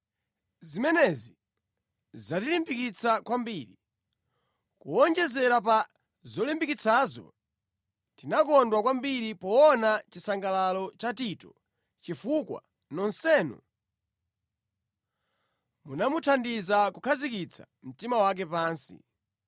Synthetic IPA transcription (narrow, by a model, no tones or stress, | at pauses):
zimɛnɛzi | zatilimbikit͡sʰakwambiɾi | kuɔnd͡ʒɛzɛɾap̬a | zɔlimbikit͡sʰaːzɔ̰ | tinakɔndwakwambiɾipɔːnat͡ʃisaŋɡalalɔt͡ʃatitɔ | t͡ʃifukwa̰ | nɔnsɛːnɔ̰ | munamutʰandizakukʰazikit͡sʰḁ | m̩timawak̬ɛpaːnsḭ